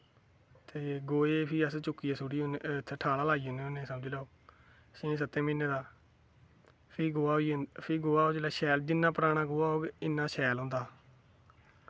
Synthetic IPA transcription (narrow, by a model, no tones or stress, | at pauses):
t̪eːɡoːeːpʰiːəst͡ʃʊkːiːaːsʊɽiːʊnt̪ʰːeːʈʰaːlaːlaːiːɦoneːonẽːsəmd͡ʒilɛːoː | ʃẽːs̬ət̪ːẽːmĩːnẽːd̪aː | pʰiːɡoːaːoipʰiːɡoːaːoːd͡ʒeːlaːʃɛːld͡ʒɪnːaːpəɾaːɽ̃aːɡoaːɦoːɡɪnːãːʃɛːlɦʊ̃nd̪aː